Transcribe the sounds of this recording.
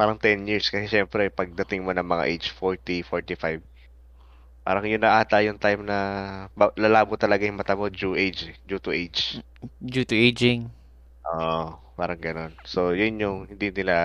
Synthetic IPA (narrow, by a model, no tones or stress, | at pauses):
paːɾɐŋt̪ɛnjiɹskɐsɛʃɛmpɾɛpɐɡ̚d̪ɐt̪ɪŋmo̞nɐŋmɐŋa̰ʔejd͡ʒfoɹt̪ifoɹt̪ifajb̚ | pa̰ːɾɐŋjʊnːɐʔaːt̪ɐjʊŋt̪ajmnɐbalalaːbʊt̪ːɐlɐɡajʊŋmɐt̪amod͡ʒuʔejd͡ʒɛd͡ʒuːt̪ʊʔejd͡ʒ | d͡ʒut̪ʊejd͡ʒɪŋ | ʔoʔpaːɾɐŋɡɐno̞nsojʊnjʊŋhɪnd̪inɪla